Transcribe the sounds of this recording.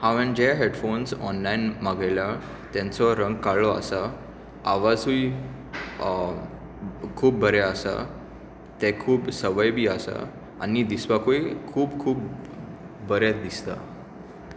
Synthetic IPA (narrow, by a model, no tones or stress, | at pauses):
haʋəɳd͡ʑeɦeɽfonsɔ̰nlainmaɡajla | t̪ɛ̃nt͡sɔɾəŋɡkaɭɔa̰sa | aʋad͡zuj | kʰuːb̚ːəɾɛasa̰ | t̪ɛkʰuːbsəʋəjbʱiːasa̰ | anid̪isʋakoikʰuːbkʰuːb | bəɾɛd̪ist̪a̰